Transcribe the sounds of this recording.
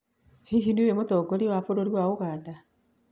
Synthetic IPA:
hiɦinewemotɔɡoɾiwafoɾoɾiwaoɣaːnda

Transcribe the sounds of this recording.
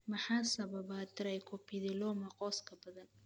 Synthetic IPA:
mɐħɑːsɐβɐβat̪ɪɾɛjkʰʊpʰɪðɪlɔːmɐqɔːskʰɐbɐðɐn

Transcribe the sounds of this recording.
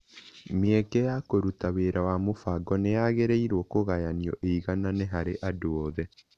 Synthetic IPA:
meɛkɛjakoɾutaweɾawamofaɡɔneaɣeɾeiɾoɔkoɣajaniɔ̰ʔeiɣananeɦaɾeʔadoɔðɛ

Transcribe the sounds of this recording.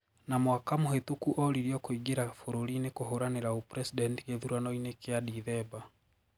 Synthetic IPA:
namwakamohetukuʔɔɾiɾiɔkoiɡeɾafoɾoɾinekoɦoɾaneɾaopɾɛsidɛntikeðuɾanɔinekeadiðɛba

